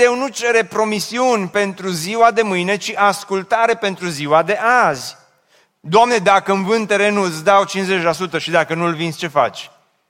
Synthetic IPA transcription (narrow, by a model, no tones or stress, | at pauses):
ewnut͡ʃe̞ɾe̞pɾo̞misiunʲpe̞nt̪ɾuziwad̪e̞mɨjne̞t͡ʃiʔaskult̪aɾe̞pe̞nt̪ɾuziwad̪e̞ʔazʲ | d̪oamne̞d̪akəɨnvɨnt̪ːe̞ɾe̞nuɨt̪sd̪awt͡ʃinzet͡ʃelasut̪əʃid̪akənulvinsʲt͡ʃe̞fa̰t͡ʃʲ